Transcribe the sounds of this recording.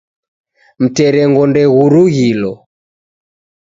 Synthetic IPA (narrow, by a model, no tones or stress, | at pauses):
m̩tɛɾɛŋɡɔndɛɣuɾuɣilɔ